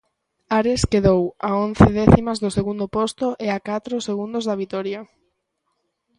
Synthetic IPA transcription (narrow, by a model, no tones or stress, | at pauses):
aɾeskeðowaonθeðɛθimɐzðʊseɣund̪opost̪ʊʔeakat̪ɾʊseɣund̪ʊzðɐβit̪ɔɾja